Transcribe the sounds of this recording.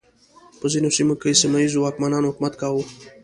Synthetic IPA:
pəzinosimokesamaizowɑkmanɑnohʊkmat̪kɑwo

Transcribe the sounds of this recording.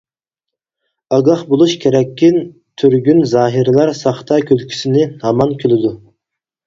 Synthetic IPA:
ɑɡɑχbolˠuʃkʲʰeɾɛkʲːɪn | t̪ʰyɾɡʲynzɑːɦiɾlˠɑɾsɑχt̪ʰɑkʲʰølkʲʰy̥sɪnɪhɑmɑnkʲʰølɪd̪u

